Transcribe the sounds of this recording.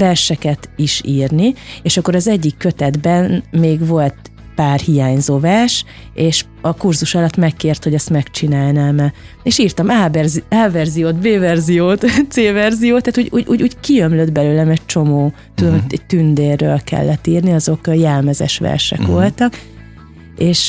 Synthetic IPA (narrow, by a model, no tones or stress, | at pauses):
vɛrʃɛkɛt̪iʃiːrnieːʃɒkːo̞ɾɒzɛɟːikːøt̪ɛd̪bɛnmeːɡʋo̞lt̪ | paːrhijaːɲzoːvɛrʃ | eːʃ | ɒkurzuʃɒlɒt̪ːmɛkːeːrt̪hoɟɛst̪mɛkt͡ʃinaːlnɛmɛ | eʃiːrt̪ɒmaːbɛrziaːvɛrzijoːd̪beːvɛrzijoːt̪t̪seːvɛrzijoːt̪ːaːt̪uːɟṵːɟṵːɟuːɟkiømlød̪bɛløːlɛmɛc̚t͡ʃo̞moː | t̪ud̪omoɛc̚t̪ynd̪eːrːø̰ːlkɛ̰lːɛt̪ːiːrniɒzo̞kjɛlmɛzɛ̰ʃʋɛ̰rʃɛ̰kʋo̞lt̪ɒk | eːʃ